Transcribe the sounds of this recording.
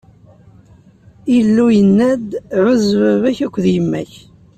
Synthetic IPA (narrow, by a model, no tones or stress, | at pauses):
ilːujənːæd̪ʕʊzvævæçækʷːðjəmːæ̰ç